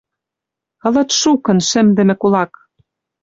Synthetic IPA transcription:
ɤ̆lɤ̆t̪ʃukɤ̆nʃɘ̆md̪ɘ̆mɘ̆kulɑk

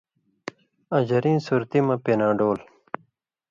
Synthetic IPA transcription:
ɐ̃d͡ʑɐɾĩːnsuːɾt̪imɐ̃penãːɖoːl

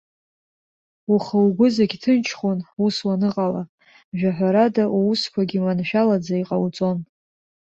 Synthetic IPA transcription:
uχawɡʷʊzaɡʲtʰɨnt͡ʃʰχonuswanɨqʼala | ʒᶣaħᶣʷaɾadaʔuuskʷʰaɡʲimanʃᶣalad͡zaiqʼawt͡sʼo̞n

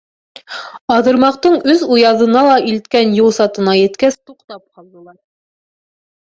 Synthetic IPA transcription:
ɑðɤ̆ɾmɑqt̪ɤɴɵðujɑðɤ̆nɑlˠɑʔilt̪kænjuw̪ˠsɑt̪ɤ̆nɑjɘ̆t̪kæst̪uqt̪ɑp̚qɑlˠd̪ɤ̆lˠɑɾ

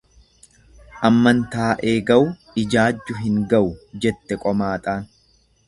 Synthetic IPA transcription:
ʔɐmːɐnt̪aːʔe̞ːɡɐʔʊ | ɪd͡ʒaːd͡ʒːʊɦɪŋɡɐʔʊd͡ʒɛt̪ːɛkʼɔmaːt̪ʼaːn

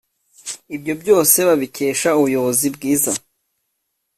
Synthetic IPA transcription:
ibɟo̞bɟo̞ːse̞βaβice̞ːʃauβujo̞βo̞zibɡiːza

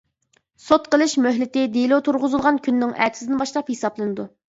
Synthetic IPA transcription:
sot̪qʰəlˠɨʃmøɦlɪt̪ɪd̪elˠot̪ʰuɾʁʊzɨlˠʁɑnkʲʰynːɪŋʔɛ̰t̪ʰsd̪ɪnbɑʃlˠɑphesɑplˠɨnɨd̪u

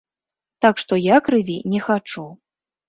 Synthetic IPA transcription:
t̪akʂt̪ɔjakɾɨvʲinʲɛxat͡ʂu

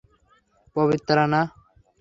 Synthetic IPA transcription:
pəʋɪt̪ɾana

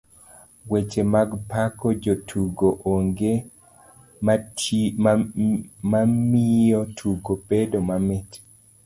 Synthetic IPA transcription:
wet͡ʃemaɡpakɔd͡ʒotʰuɡoʔoŋɡe | mamiɔtʰuɡopedomamɛt

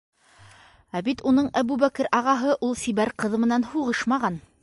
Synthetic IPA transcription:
æbit̪unɤɴæbʉβækɘɾʔɑʁɑɦɤʔulˠsiβæɾqɤðmɘ̆nænhuʁɤʃmɑʁɑn

